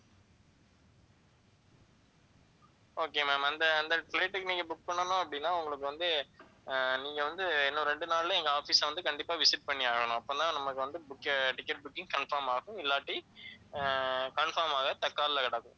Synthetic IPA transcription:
oːkeːmeːmɐnd̪ɐɐnd̪ɐkleːʈːɯkːɯnĩːŋɡɐbʊk̚pɐɳːɐnʊ̃ɐpːɐɽɪnːaːʊŋɡɐɭɯkːɯʋɐnd̪ɯ | niːŋɡɐʋɐnd̪ɯɛnːõɾɛɳɖɯnaːɭlɐɛŋɡɐaːfiːsɐʋɐnd̪ɯkɐɳɖɪpːaːʋɪsɪʈ̚pɐɳːɪaːɣɐɳʊ̃ɐpːoːt̪ãːnɐmːɐkːɯʋɐnd̪ɯbʊkːʈɪkːɛʈ̚bʊkːɪ̃ŋɡkɐɳfɐːɾmaːɣʊ̃ɪlːaːʈːi | kɐɳfaːɾmaːɣɐt̪ɐkːaːðɪlɐkɐɽaːkɯ̃

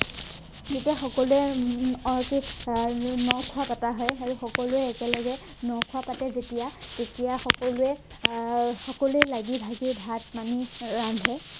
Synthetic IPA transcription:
zetijaxɔkɔluɛɔɹɔki | nɔwkʰʊapataɦɔjaɹuxɔkɔlʊɛːkɛlɔɡɛ | nɔwkʰʊapatɛzetijaketijaxɔkɔlʊɛ | xɔkɔluɛlaɡibʱaɡibʱat̚maniɹambʱɛ

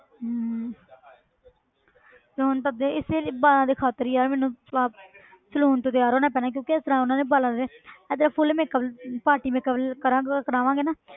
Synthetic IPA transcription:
t̪eːɦʊnt̪̬əd̪eɪseːbaːlãːd̪eːkʰaːt̪əɾijaːɾmɛːnũːsaːp | səluːnt̪õːt̪ɪjaːɾoːnãːpɛːnaːk̬jõːkɪɛst̪ɾãːʊnãːneːbaːlãːd̪eːɛd̪ɾãːpʰʊlmẽːkəpaːʈiːmẽːkəbkəɾãːɡkəɾaːʋãːɡeːnaː

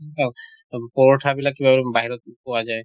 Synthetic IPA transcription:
a | pɔɹɔʈʰabilakːibabbaɦiɾɔt̪̚pɔwazaj

